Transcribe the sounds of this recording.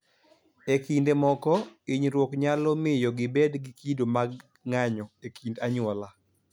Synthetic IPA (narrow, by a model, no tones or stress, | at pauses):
ekindemɔkɔiɲɾwɔkɲalɔmɪjɔɡɪbɛdɡikidomaɡ | ŋaɲɔekʰindaɲɔla